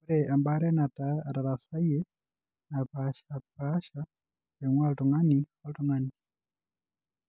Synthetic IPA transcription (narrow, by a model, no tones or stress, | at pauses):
uɾɛʔambaɾɛnatataɾasaiɛ | napaʃapaʃa | ɛŋwaltɔŋaniwaltuŋani